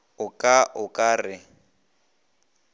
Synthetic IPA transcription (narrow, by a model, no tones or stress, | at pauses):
ʊkʼaʔʊkʼaːrɪ